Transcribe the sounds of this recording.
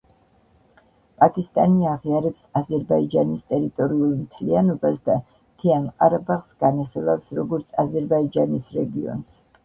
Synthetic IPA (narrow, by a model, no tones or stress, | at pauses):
pʼakʼist̪ʼaniaʁiaɾɛpsazɛɾbaid͡ʒanist̪ʼɛɾit̪ʼɔɾiulˠmt̪ʰlianɔbasd̪a | t̪ʰianqʼaɾabaχsɡ̥aniχilˠafsɾɔɡɔɾt̪sʰazɛɾbaid͡ʒanisɾɛɡiɔ̰ns